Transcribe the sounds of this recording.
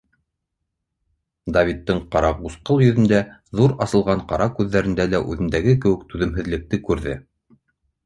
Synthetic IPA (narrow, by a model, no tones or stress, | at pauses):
d̪avʲit̪ːɤɴqɑɾɑbusqɤlˠjɵ̆ðɵ̆nd̪æðuɾɑsɤ̆lˠʁɑɴqɑɾɑkʉðːæɾɘ̆nd̪ælæʔʉðɘ̆nd̪æɡɘkɘ̆wɘ̆k̚t̪ʉðɘ̆mɦɘ̆ðlɘ̆k̚t̪ɘkʉɾðɘ̰